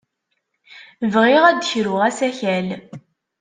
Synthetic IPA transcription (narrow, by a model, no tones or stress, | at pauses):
vʁiʁæd̪çɾʊʁæsæçæl